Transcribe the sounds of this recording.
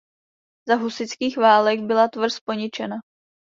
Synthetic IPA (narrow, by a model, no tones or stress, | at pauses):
zaɦusɪt͡skiːxvaːlɛɡbɪlat̪vr̩spo̞ɲɪt͡ʃɛna